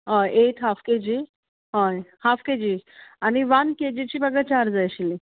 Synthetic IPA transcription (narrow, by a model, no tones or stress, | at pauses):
ɦɔjʔeʈɦafked͡ʑi | ɦɔjhafked͡ʑiañiʋanked͡ʑit͡ɕibəɡət͡ɕaɾd͡zajɕili